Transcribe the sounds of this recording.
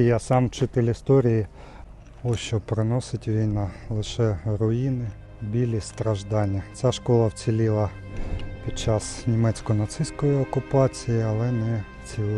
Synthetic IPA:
jasɑmt͡ʃɪt̪ɪlʲɪst̪ɔɾʲiji | ɔʃt͡ʃɔpɾɪnɔsɪtʲʋʲijnɑlˠɪʃɛrɔjinɪ | bʲilʲist̪ɾɐʒd̪ɑnʲːɐt͡sʲaʃkɔlˠɐwt͡sʲilʲilˠɐ | pʲit͡ʃɑsnʲimɛt͡sʲkɔnɐt̪sɪsʲkɔjiɔkʊpɑt͡sʲijiɐlˠɛnɛ | t͡sʲi

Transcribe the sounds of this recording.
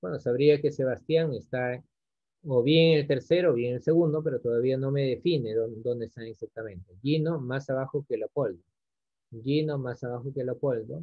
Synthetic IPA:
bwenosaβɾiake̞se̞βast̪jaŋest̪a | oβjeŋelt̪e̞ɾse̞ɾoːβjeŋelse̞ɣund̪o̞p̬e̞ɾot̪oðaβiano̞me̞ðe̞fine̞ðod̪o̞nd̪est̪aŋeksak̚t̪amẽ̞nt̪eʝinomasaβaxokelapold̪o | ʝino̞masaβaxokelapold̪o

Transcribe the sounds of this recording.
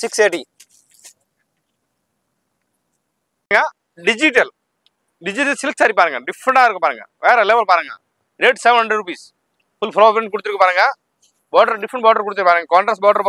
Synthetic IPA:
sikseːʈi | ŋɡa | ɖid͡ʒiʈɐl | ɖid͡ʒiʈɐlsilksaːɾipɐɾɐŋɡɐɖifʰɾɐɳʈaːɾkopɐɾɐŋɡa̰ʋɛːɾɐleːʋɐlpɐɾɐŋɡa̰ | ɾeːɖseʋɐ̃nɦɐ̃ɳɖɾeɖɾupiːs | fulpʰɾoːpɾẽɳʈ̚kuɽut̪iɾkopɐɾɐŋɡa | bɔːɾɖɐɾɖifɾɐɳʈbɔːɾɖɐɾkuɽt̪iɾpɐɾɐŋɡɐkaːɳʈɾasbɔːɾɖɐɾ

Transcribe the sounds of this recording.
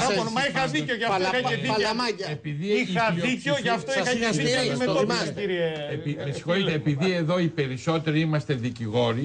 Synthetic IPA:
ɐomɐixɐðiceoʝɐfɐeðiɐlmaɐepiðiiɐiceoʝɐft̪oisxɐɐsismeomɐciɾieepimesi̥xo̞it̪eːpiðie̞ðo̞ipe̞ɾiso̞t̪e̞ɾiimɐst̪e̞ðiciɣo̞ɾi

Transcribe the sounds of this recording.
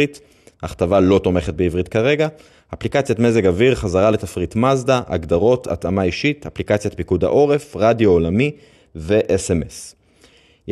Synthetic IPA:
it | aχtavalo̞to̞me̞χet̚beivʁit̚kaʁe̞ɡaː | plikat͡sjatme̞ze̞ɡaviʁχazaʁale̞tafʁitmazdaʔa̰ɡdaʁo̞tʰa̰t̪amaiʃitʰaplikat͡sjat̪pikuda̰ʔo̞ʁe̞fʁadjoolami | ve̞ʔesemes

